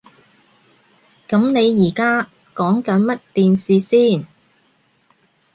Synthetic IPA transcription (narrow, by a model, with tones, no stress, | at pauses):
kɐ˨˥mne˨˧jːiː˨˩kaː˥ | kɔː˨˥ŋkɐ˨˥nmɐ˥t̚t̪iː˨nsiː˨˧siː˥˩n